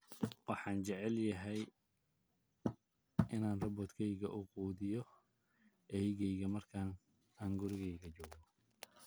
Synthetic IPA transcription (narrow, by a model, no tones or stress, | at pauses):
wɑħɑːnt͡ʃɛʕɛljɐɦɛj | ʔɪnaːnrɐbɔːd̪kʰɛjɣɐ̰ʔʊquːðɪjɔ | ʔɛjɣɛjɣɐmɐrkʰaːn | aːŋɡʊɾɪɣɛjɣɐt͡ʃɔːɡɔ